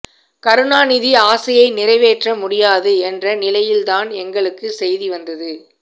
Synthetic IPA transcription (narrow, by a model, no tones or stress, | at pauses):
kɐɾɯɳaːnɪðiaːsɐjɐɪnɪrɐɪʋeːʈrɐmʊɽɪjaːðɯɛndrɐnɪlɐjɪlt̪aːnɛŋɡɐɭɯkːɯsɛjðiʋɐnd̪ɐðɯ